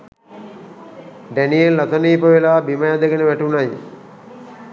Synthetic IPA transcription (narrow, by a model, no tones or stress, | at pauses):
ɖænijellat̪ɐniːpəʋelaːbiməjad̪əɡenəʋæʈunaj